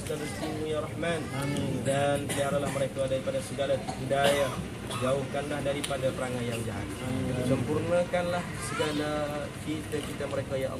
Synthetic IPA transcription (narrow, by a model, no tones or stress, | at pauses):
st̪adəst̪imujarɑhmandanpəliɦaɾalahməɾekadaɾipadasəɡalat̪iɦidaja | d͡ʒauhkanlahdaɾipandap̪əɾaŋanjaŋd͡ʒaɦa̰t̪̚səmpurnakanlah | səɡala | kit̪akit̪aməɾekajaʔ